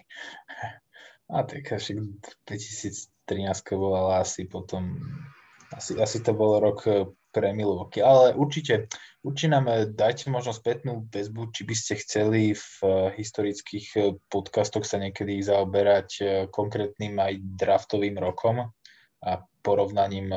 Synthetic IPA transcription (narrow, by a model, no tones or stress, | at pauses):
at̪akʃaɡd̪̥ʋɛci̥siːt͡st̪ɾinaːskɛbɔlalaasipɔt̪ɔm | asiasit̪ɔbɔlɾɔkʰpɾɛmilɔʋkialɛʔuɾt͡ʃicɛuɾt͡ʃiɛnaːmd̪acmɔʒnɔspɛt̪nuːʋɛzbut͡ʃibiscɛxt͡sɛlifɦist̪ɔɾit͡skixpɔt̪kast̪ɔxsaɲɪɛkɛd̪izaɔbɛɾackɔŋkɾɛːt̪niːmajd̪ɾaft̪ɔʋiːmɾɔkʰɔm | apɔɾɔʊnaɲiːm